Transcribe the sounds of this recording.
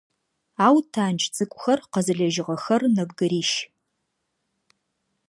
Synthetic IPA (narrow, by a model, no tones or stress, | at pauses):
aːwtʰaːnt͡ʃʼʰt͡sʼɨkʷʼʊxɐrqɐzɨɮɐʒɪʁɐxɐrnɐbɡɨɾiːʃ